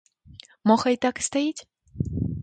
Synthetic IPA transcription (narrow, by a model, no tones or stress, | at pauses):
mɔxɐjt̪akst̪ajit͡sʲ